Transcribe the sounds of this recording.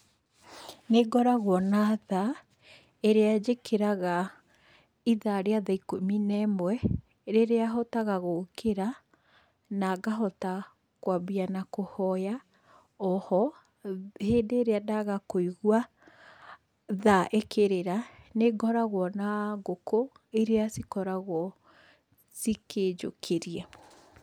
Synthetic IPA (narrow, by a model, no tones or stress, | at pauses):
neɡɔɾaɣwɔnaða | eɾead͡ʒekʰeɾaɣa | iðaɾeaðaikominɛmwɛ | ɾeɾeaɦɔtaɣaɣokʰeɾa | naɡaɦɔta | kwabianakohɔja | ɔhɔ | heːdeːɾeadaɣakoiɣwa | ðaʔekʰeɾeɾaneɡɔɾaɣwɔnaɡoko | eɾeasikɔɾaɣwɔ | siked͡ʒo̰kʰeɾiɛ